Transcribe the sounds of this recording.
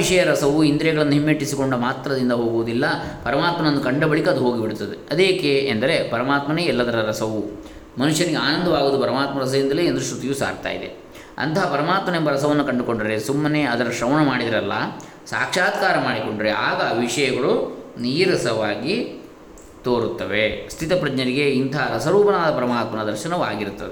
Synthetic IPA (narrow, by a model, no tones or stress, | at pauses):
ʋiʂɐjɐɾɐsɐʋuind̪ɾɛɡɐɭɐnːuɦimːeːʈːisiko̞ɳɖumaːt̪ɾɐd̪ind̪ɐɦo̞ːɡuʋud̪ilːɐpɐɾɐmaːt̪mɐnɐnːukɐɳɖɐbɐɭikɐd̪uɦoːɡibiɽut̪ːɐd̪eɐd̪eːkeɐnd̪ɐɾe̞pɐɾɐmaːt̪mɐneːɛlːɐd̪ɐɾɐɾɐsɐʋu | mɐnuʂjɐniɡeaːnɐnd̪ʱɐʋaːɡuːd̪upɐɾɐmaːt̪mɐɾɐs̬ɐʋind̪ɐleːend̪ɾuʃɾut̪ijusa̰ːɾt̪a̰ːjḭd̪e̞̰ | ɐ̰nt̪ɐɦɐpɐɾɐmaːt̪mɐnembɐɾɐsɐʋɐnːukɐɳɖuko̞ɳɖɐɾe̞sumːɐneːɐd̪ɐɾɐʃɾɐʋnɐmaːɽid̪ɐɾɐlːɐ̰ | sa̰ːkʂaːd̪kaːɾɐmaːɽiko̞ɳɖɐɾeaːɡɐʋiʂɐjɐɡɐɭuniːɾɐsɐʋaːɡi | t̪oːɾut̪ːɐʋe̞st̪ʰit̪ɐpɾɐd͡ʒɲɐɾiɡe̞int̪ʰɐɦɐɾɐsɐɾuːpɐnaːd̪ɐpɐɾɐmaːt̪mɐnɐd̪ɐɾʃɐnɐʋa̰ːɡiɾut̪ːɐd̪e